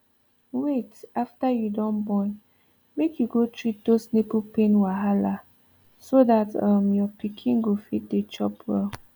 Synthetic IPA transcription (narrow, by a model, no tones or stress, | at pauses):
wetaftajudɔ̃nbɔ̃n | mekʰjuɡotʰɹit̚dosnepupẽnwaɦala | sodatʌmjɔpikʰĩnɡofit̚det͡ʃɔpwɛ̰l